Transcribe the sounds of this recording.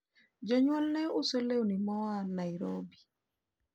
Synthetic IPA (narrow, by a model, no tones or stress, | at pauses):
d͡ʒɔɲwɔlneosolewunimɔanaiɾobi